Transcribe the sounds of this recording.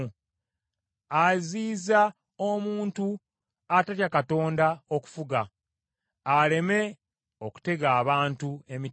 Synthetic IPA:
aziːza | omuːntu | ataɾjakato̞ːndao̞ku̥fuɡaː | le̞me̞ | oku̥te̞ɡaːβaːntue̞mi

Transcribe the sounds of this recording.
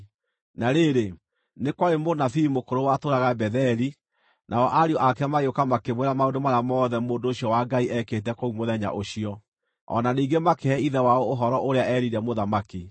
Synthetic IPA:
naɾeɾe | nekwaɾemonafiimokoɾowatoɾaɣabɛðɛɾi | nʔaɔʔaɾiɔʔakɛmaɣeokamakeβwɛɾamaodomaɾamɔðɛmoːndoːɕiɔwaɡaiʔɛkeːt̬ɛkoumoðɛɲa̰ʔoɕiɔ | ɔ̰naniːŋɡemakeɛiðɛwaoːɦɔɾɔʔoɾeaʔɛɾiɾɛmoðamaki

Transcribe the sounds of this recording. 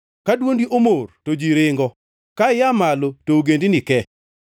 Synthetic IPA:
kadwondiʔomortod͡ʒiɾɪŋɡɔ | kajamalotooɡendinɪkɛ

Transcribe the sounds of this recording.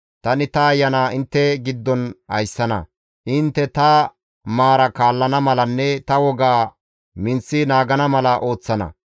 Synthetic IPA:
t̪ɐnɪt̪ɐːjːɐnaːɪnt̪ːɛɡɪd̪ːɔnhɐ̰jsːɐnɐ̰ | ʔɪnt̪ːɛt̪ɐ | maːɾɐkaːlːɐnɐmɐlɐnːɛt̪ɐwɔɡaː | mɪnt͡sːɪnaːɡɐnɐmɐlɐʔo̞ːt͡sːɐnɐ̰

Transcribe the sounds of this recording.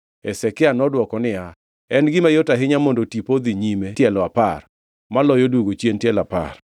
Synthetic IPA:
ɛsɛkɪanɔdwɔkɔnɪa | ɛnɡɪmajotaɦɪɲamondotipod̪iɲimetjɛlɔapar | malɔjoduɡot͡ʃjentjɛlapa̰r

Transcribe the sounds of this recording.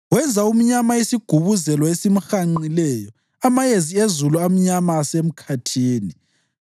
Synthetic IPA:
wɛnd͡zʱaum̩ɲamaesiɡ̥ʱuβuzɛlɔesim̩xaŋ͡ǃilɛːjɔ | amajeziezuluam̩ɲamaːsem̩kʰatʰiːni

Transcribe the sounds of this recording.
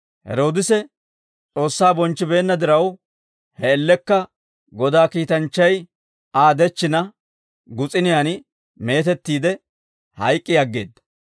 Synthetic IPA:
hɛ̰ɾo̞ːd̪ɪsɛ | t͡sʼo̞ːsːaːbɔnt͡ʃːɪbe̞ːnːɐd̪ɪɾɐw | hɛɛlːɛkːɐ | ɡɔd̪aːkiːt̪ɐnt͡ʃːɐj | aːd̪ɛt͡ʃːɪnɐ | ɡʊt͡sʼɪnɪjanɪ | me̞ːt̪ɛt̪ːiːd̪ɛ | hɐjkʼːɪjɐɡːe̞ːd̪ːɐ̥

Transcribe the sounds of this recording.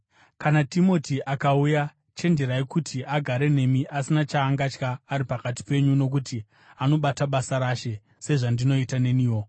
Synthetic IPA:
kanatimo̞tiʔakauja | t͡ʃe̞ndeɾaikutʰiʔaɡʱaɾe̞ne̞miʔasinat͡ʃaːŋɡat͡ʃkaːɾipakat̬i̥pe̞ɲuno̞k̬uti | ano̞ɓataɓasaɾaːʃe̞ | se̞ʐandino̞itane̞niːwo̞

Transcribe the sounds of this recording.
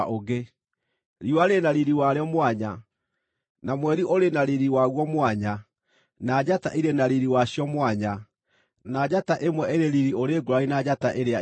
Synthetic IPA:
oɣe | ɾiwaɾenaɾiɾiwaɾeɔmwaɲa | namwɛɾiʔoɾenaɾiɾiwaɣwɔmwaɲa | nad͡ʑataʔiɾenaɾiɾiwaɕjɔmwaɲa | nad͡ʑataʔemwɛeɾeɾiɾioɾeːɡoɾainad͡ʑataʔeɾea

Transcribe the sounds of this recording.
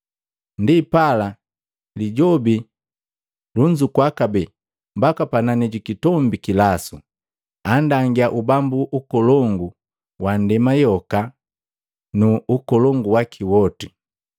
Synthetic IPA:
ndipala | liɟɔbi | luɲd͡ʒukwakabɛ | mbakapananɛɟukitɔmbikilasṵ | andaŋɡiaʔubambuʔukɔlɔŋɡu | wandɛmajɔka | nuːkɔlɔŋɡuwakʰiwɔti

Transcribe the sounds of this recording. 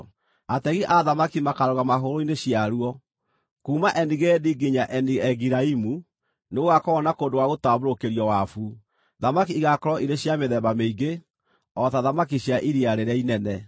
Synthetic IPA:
atɛɣiʔaðamakimakaɾɔɣamaɦoɾoineɕiaɾuɔ | kuːmaʔɛniɣɛdiɡiɲaʔɛniɛɣiɾaimu | neoɣakɔɔnakoːndowaɣotaβoɾokeɾjɔwafu | ðamakiiɣakɔɾɔʔiɾeɕjameðɛβameiɡe | ɔtaðamakiɕjaʔiɾiaɾeɾɛinɛnɛ

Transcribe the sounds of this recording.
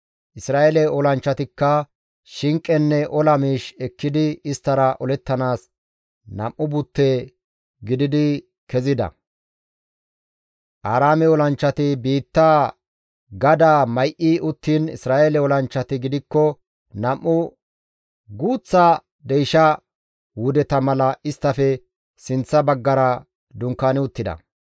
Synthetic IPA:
ʔɪsɾaːelɛɔlɐnt͡ʃːɐt̪ɪkːɐ | ʃɪŋkʼːɛnːɛʔɔlɐmiːʃɛkːɪd̪ɪɪst̪ːɐɾɐʔɔlɛt̪ːɐnaːs | nɐ̰mʔːʊbʊt̪ːeː | ɡɪd̪ɪd̪ɪ | kɛzɪd̪ɐ̰ | ʔaːɾaːmɛɔlɐnt͡ʃːɐt̪ɪbiːt̪ːaː | ɡɐd̪aːmɐjʔiʔʊt̪ːinɪ̰sɾaːeːlɛwɔlɐnt͡ʃːɐt̪ɪɡɪd̪ɪkːɔ | nɐmʔːʊ | ɡuːt͡sːaː | d̪ɛjʃɐ | wʊd̪ɛt̪ɐmɐlɐʔɪst̪ːɐfɛ | sɪnt͡sːɐbɐɡːɐɾɐ | d̪ʊŋkːaːnɪʊt̪ːɪd̪ɐ̰

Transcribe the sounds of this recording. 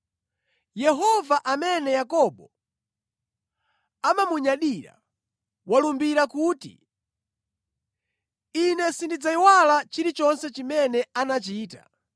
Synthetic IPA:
jɛɦɔvaʔamɛnɛjakɔɓɔ | amamuɲaɗiɾa̰ | walumbiɾakuːtḭ | inɛsindid͡zaiwalat͡ʃiɾit͡ʃɔnsɛt͡ʃimɛnɛanat͡ʃiːta̰

